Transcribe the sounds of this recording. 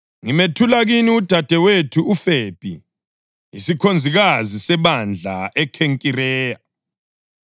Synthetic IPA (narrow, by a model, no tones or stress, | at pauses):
ŋimetʰulaɣiniud̥ʱad̥ʱɛwetʰuufepʼḭ | isikʰond͡zʱiɣazisɛβand͡ɮʱa̰ʔɛkʰeŋkʼirɛːja